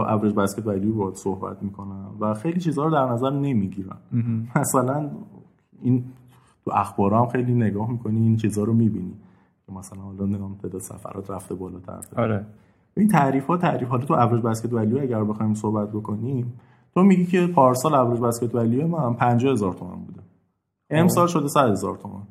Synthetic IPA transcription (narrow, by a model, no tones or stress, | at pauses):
ʔævɾed͡ʒbæsket̪bælibɒd̪sohbæ̰t̪ʰmiːkʰo̞nænvæxejliːt͡ʃʰiːzhɒːɾod̪æɾnæzæɾne̞miɟiɾæ̰nmæsælæn | in | t̪ʰuæxbɒːɾɒːhæmxe̞jliːneɡɒːhmikʰo̞niːnt͡ʃʰizɒːɾomibini | cʰemæsælænhɒlɒnempʰed̪ɒːsæ̰fæ̰ɾɒ̰ːt̪ʰɾæft̪ebɒːlɒːt̪ʰæ̰ɾæ̰feɾ | æint̪ʰæɾiːfhɒːt̪ʰæɾiːfhɒlɒt̪ʰuævɾɒd͡ʒbæscʰe̞t̪bælijeæɟæɾbexɒːjms̬ohbæt̪̚bo̞kʰo̞nim | t̪ʰomiɟiːcʰe̞pʰɒːɾsɒːlævɾɒd͡ʒbæscʰet̪bælijemænpʰænd͡ʒɒːhe̞zɒɾt̪ʰo̞mæ̰nbuːd̪e | emsɒːlʃod̪esæd̪hezɒ̰ːɾt̪ʰomæ̰n